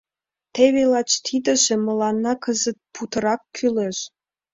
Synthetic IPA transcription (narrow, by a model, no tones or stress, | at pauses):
t̪eβelɑt͡ɕt̪ʰid̪ə̆ʒĕmə̆lɑnːɑkəzət̪̚put̪ə̆ɾɑkːyleʃ